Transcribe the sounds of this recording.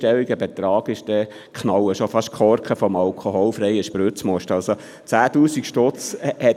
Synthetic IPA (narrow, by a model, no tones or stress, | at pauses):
tɛliɡəbɛt̪ɾɑːɡ̥ɪʃd̥ɛ | kʰnɑwəʃofɑʃkʰɔɾkəfɔmɑlkʰoɦɔlfɾɛjəʃpɾøt͡smɔʃtɑlso | t͡sæːt̪uːsikʃtɔt͡shɛ